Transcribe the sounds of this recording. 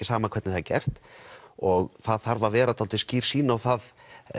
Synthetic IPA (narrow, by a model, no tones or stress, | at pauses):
ɪsaːmakʰvɛt̪nɪθaðcɛ̰r̥t̪ɔɣθaðθaɾvavɛːɾat̪ʰalt̪ɪsciːɾ̥siːnaawθað